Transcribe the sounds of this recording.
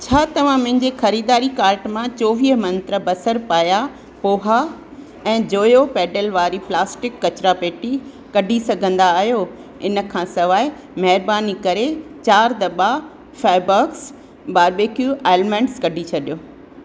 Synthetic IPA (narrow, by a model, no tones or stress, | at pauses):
t͡ɕʰaːt̪ɐʋ̤ãmʊ̃ɦɪ̃ɲd͡ʑexɐɾiːd̪aːɾikaːɾʈmãt͡ɕoːʋiːɦəmɐ̃nt̪ɾəbɐsəɾpaːja | poːɦa | ɛ̃ːd͡ʑoːjopɛːɖəlʋaːɾiplaːsʈɪkːɐt͡ɕɾapeːʈi | kɐɖʱisɐɡʱə̃nd̪aːɦijo | ɪnə̆kʰãsɐʋaːɪ | mɐɦɪɾbaːnikɐɾet͡ɕaːɾd̪ɐba | faːɪbaːks | ɓaːɾbeːkjueːlmẽɳɖskɐɖʱit͡ɕʰɐɗijoː